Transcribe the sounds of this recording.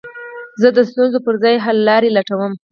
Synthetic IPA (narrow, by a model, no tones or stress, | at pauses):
zəd̪əst̪unzopəɾzɑjɦalːɑɾelaʈawəm